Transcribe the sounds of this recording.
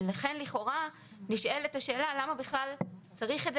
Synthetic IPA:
laχe̞nliχo̞ʁa | niʃʔe̞letaʃe̞ːlalamabiχlalt͡saʁiχedz

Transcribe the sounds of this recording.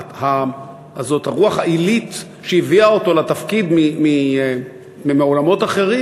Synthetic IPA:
ha | azo̞t̪haʁuaχailit̪ | ʃejiviaot̪o̞lat̪afkid̪mimi | mimeolamo̞t̪aχe̞ʁi

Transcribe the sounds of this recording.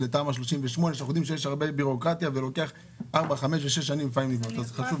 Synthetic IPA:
lepaːmaʃ̬loʃimveʃmo̞neʃaχud̪imʃ̬ejeʃ̬aʁbe̞biʁo̞kʁat̪jave̞lo̞ke̞aχ | ʔaʁbaχame̞ʃveʃ̬eʃ̬ːanimfaimlivnot̪azχaʃuv

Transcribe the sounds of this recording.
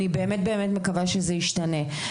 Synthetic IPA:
nibe̞ːmet̚be̞ːmetmekavaʃezeiʃtane̞

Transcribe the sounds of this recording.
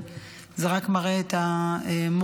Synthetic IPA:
zeʁakmaʁeːt̪aem

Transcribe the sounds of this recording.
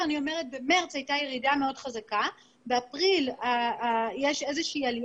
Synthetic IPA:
anio̞me̞ʁet̚be̞meʁt͡shajtaje̞ʁidame̞o̞dχazaka | beapʁilajeʃe̞zeʃiialj

